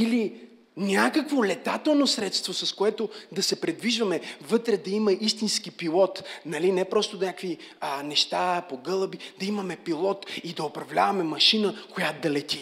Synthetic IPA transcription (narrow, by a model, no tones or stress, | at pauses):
ili | nʲakəkvolɛt̪at̪ɛlˠnosɾɛt̪st̪vosɐskoɛt̪od̪ɐsɛpɾɛd̪viʒvɐmɛvɤt̪ɾɛd̪ɐimɐʔist̪inskipilˠɔt̪nɐlinɛpɾɔst̪onʲakvi | nɛʃt̪apoɡɤlˠbid̪ɐimɐmɛpilˠɔt̪id̪ɐopɾɐvlʲa̰vɐmɛmɐʃinəkojat̪d̪ɐlɛt̪i